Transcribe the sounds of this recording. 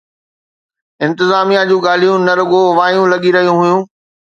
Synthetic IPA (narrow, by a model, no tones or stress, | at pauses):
ɪ̃nt̪ɪzaːmijad͡ʑũːɡaːl̤ijũnɐɾʊɡoʋaːjũlɐɠiɾɐɦijũɦʊjũː